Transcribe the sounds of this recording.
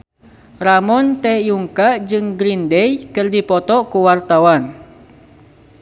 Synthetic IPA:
ramɔnt̪ɛjuŋkaʔd͡ʒɨŋɡɾindɛjkɨrdipɔt̪ɔkuwart̪awan

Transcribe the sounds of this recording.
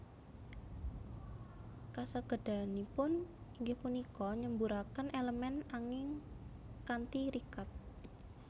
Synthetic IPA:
kasaɡ̥ə̤ɖ̥a̤nipʊniŋɡɪhpunikɔɲəmbuɾakənʔeləmɛnaŋɪŋ | kant̪iɾikat̪̚

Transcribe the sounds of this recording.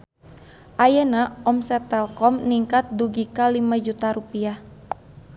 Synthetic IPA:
ʔajənaɔmsɛt̪ɛlkɔmniŋkat̪̚duɡikalimad͡ʒut̪aɾupiah

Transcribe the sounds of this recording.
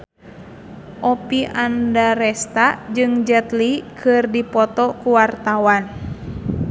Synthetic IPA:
ʔɔpiʔandaɾɛst̪ad͡ʒɨŋd͡ʒɛt̪likʰɨrdipɔt̪ɔkuwart̪awan

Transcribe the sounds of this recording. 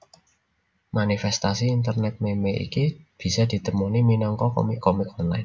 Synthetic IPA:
manifɛst̪asiːnt̪ərnɛt̪̚memeʔḭkib̥i̤sad̪̥i̤t̪əmuniminɔŋkɔkɔ̰mikːɔmikɔnla̰ɪn

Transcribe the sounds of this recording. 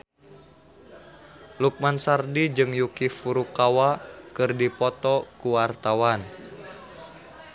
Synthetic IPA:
luk̚mansardid͡ʒɨŋjukifuɾukawakɨrdipɔt̪ɔkuwart̪awan

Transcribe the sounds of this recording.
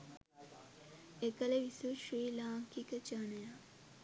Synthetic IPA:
ekəleʋisuʃɾiːlaːŋkikət͡ʃənəjaː

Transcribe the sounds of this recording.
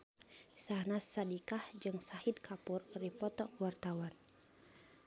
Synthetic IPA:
sahnasːadikahd͡ʒɨŋsahid̪̚kʰapurripɔt̪ɔkwart̪awan

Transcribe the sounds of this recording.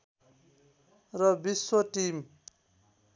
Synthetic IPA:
rʌbiswʌʈim

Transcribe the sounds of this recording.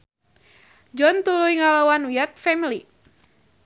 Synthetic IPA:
d͡ʒɔnt̪ulujŋalawanujat̪̚fɛmili

